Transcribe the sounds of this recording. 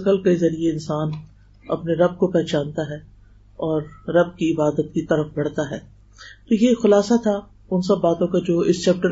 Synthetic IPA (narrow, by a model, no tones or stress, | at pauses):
kəlkezɐɾieɪ̃nsaːn | ɐ̰pneɾɐb̚kopɛɦt͡ʃaːnt̪aɦɛː | ɔːɾːɐb̚kiɪbaːd̪ət̪̚kit̪ɐɾəfbɐɽ̤t̪aɦɛː | t̪ojexʊlaːsat̪ʰa | ʊnsɐbːaːt̪õkad͡ʒoːɪst͡ʃɛːp̚ʈə